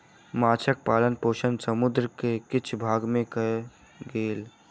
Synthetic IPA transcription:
maːt͡ʃʰək̚paːlənpoːʃənsəmʊd̪ɾəkekɪt͡ʃʰbʱaːɡmẽkəe | ɡeːl

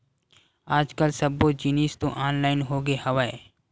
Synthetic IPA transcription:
aːd͡ʒkəlsəbod͡ʒiniːst̪õʔaːnlaːɪnɦoːɡehɐʋae

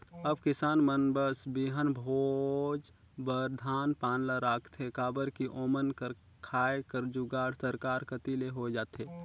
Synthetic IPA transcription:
əbkɪsaːnmənbəsbiɦənbʱod͡ʒ | bəɾd̪ʱaːnpaːnlaɾaːkʰt̪ʰekaːbəɾkiʔoːmənkəɾ | kʰaːekəɾd͡ʒuɡaːɽsəɾkaːɾkət̪ileɦod͡ʒaːt̪eː

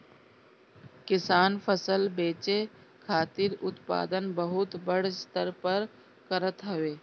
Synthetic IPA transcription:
kɪsaːnpʰəsəlbeːt͡ʃe | kʰaːt̪ɪɾʊt̪pa̰ːd̪ənbəɦʊt̪bəɽ̤st̪əɾpəɾ | kəɾət̪ɦəʋeː

